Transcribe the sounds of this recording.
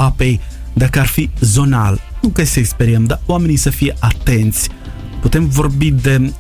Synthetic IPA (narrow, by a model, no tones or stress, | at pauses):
apej | d̪akəarfizo̞nalnukesəekspeɾiəmd̪awame̞nisəfijeʔat̪ent̪sʲ | put̪e̞mvo̞rbid̪e